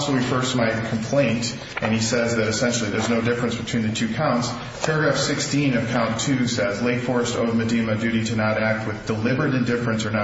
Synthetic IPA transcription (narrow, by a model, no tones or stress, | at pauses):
sowifɜ˞stmaɪt̚kʰm̩pʰl̥ẽɪ̃nt | ʔɨ̃nisɛzðɨɾɨsɛ̃nʃl̩ˠiðə˞znoʊdɪfɹɨ̃nsb̥ɨtʰw̥ĩnðɨtʰʉkʰãʊ̃nts | pʰɛɹɨɡɹæfsɪkstĩnʌv̥kʰãʊ̃ntʰʉsɛzleɪkfɔɹɨsto̰ʊvmɨdimɨdʉɾitʰɨnəɾæk̚t̚wɨðdəlɪbə˞ɨɾɨ̃ndɪfɹɨ̃nsə˞nə